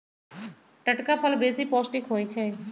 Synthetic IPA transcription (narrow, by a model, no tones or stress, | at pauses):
ʈəʈkapʰɔlbesipɔsʈikɦojt͡ɕʰe